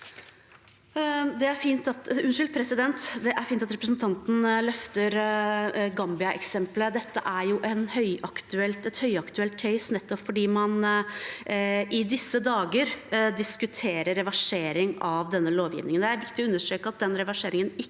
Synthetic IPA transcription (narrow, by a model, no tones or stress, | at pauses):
d̪ɛæɾfiːnt̪ɑt̪ʉnʂʏlpʰɾɛsɪd̪ɛnt̪d̪ɛʔæɾfiːnt̪ɑt̪ɾɛpɾəsnt̪ʰɑnt̪n̩lœft̪əɾ | ɡɑmbɪɑʔɛ̰ksɛmpləd̪ɛt̪ːəʔæɾjʊʔɛnhœʏʔɑkt̪ʉɛlt̪ɛt̪hœʏɑkt̪ʉɛlt̪kʰɛɪsnɛt̪ːɔpfɔɖiːmɑn | ɪd̪ɪsːəd̪ɑːɡəɾd̪ɪskʉt̪ʰeːɾəɾɛʋɑʂeːɾɪŋɑʋd̪ɛnːəloːʋjɪ̰ʋnɪŋənd̪ɛæɾʋɪkt̪ɪɔʉnːəʂøːkəɑt̪̚d̪ɛnɾɛʋɑʂeːɾɪŋənɪ